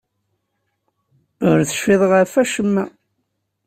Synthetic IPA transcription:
ʊɾθə̥ʃfɪðˤʁəɾfæʃəmːæ

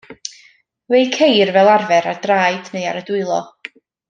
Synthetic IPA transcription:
wejkʰejrvɛlˠarvɛɾad̥raːjdneɨa̰ɾədʊɨlˠɔ

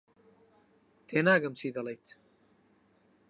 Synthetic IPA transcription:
t̪ʰeːnaːɡɐmt͡sʰiːd̪ɐlejt̪ʰ

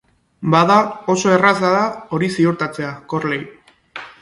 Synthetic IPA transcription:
baðao̞so̞e̞ras̬aðao̞ɾisioɾt̪at͡se̞ako̞ɾlej

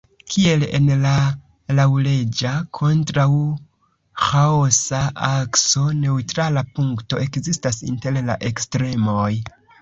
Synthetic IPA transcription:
kʰie̞lḛnla | lawle̞d͡ʒakʰo̞ntɾaw | xaosaʔakso̞ne̞utɾalapuŋkto̞e̞kzistasḭnte̞ɾla̰ʔe̞kstɾe̞moj

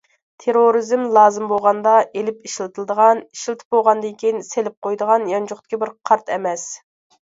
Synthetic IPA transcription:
t̪ʰeɾoɾɨzɪmlˠɑːzɨmbolˠʁɑnd̪ɑʔelɪpiʃlˠɨt̪ʰɨlˠɨd̪əʁɑni̥ʃlˠɨt̪ʰɪ̥p̚bolˠʁɑnd̪ɪŋkʲinselɪp̚qʰojd̪əʁɑnjɑnt͡ʃʊχt̪ɪ̥kʲɪbɪɾqʰɑɾt̪ʰɛmɛs

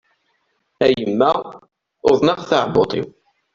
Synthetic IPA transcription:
æjjəmːæ | oðˤnɑʁθaʕbot̪ˤḭw

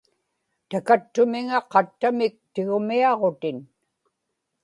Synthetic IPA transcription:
t̪akat̪ːʊmɪŋaqɑt̪ːamɪk̚t̪ɪɣʊmiɑʁot̪ɪn

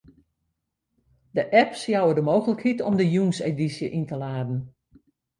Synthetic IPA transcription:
dəʔɛpsjawədəmoːwɣələkhitɔmdəjunsedisjəʔintəlaːdn̩

